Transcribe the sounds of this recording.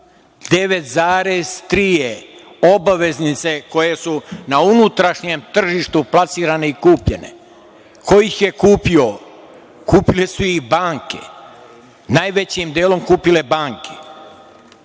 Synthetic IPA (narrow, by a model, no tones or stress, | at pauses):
d̪e̞ʋe̞t̪zaːɾest̪ɾije | obaʋe̞znit̪se̞ko̞je̞sunaunut̪ɾaʃɲemt̪r̩ʒiʃt̪uplasiːɾane̞ikuːpʎe̞̰nḛ | ko̞jixjekuːpio | kuːpilesuixbaːŋke̞̰ | naːjʋet͡ɕimd̪eːlo̞mkuːpile̞baːŋkʰe̥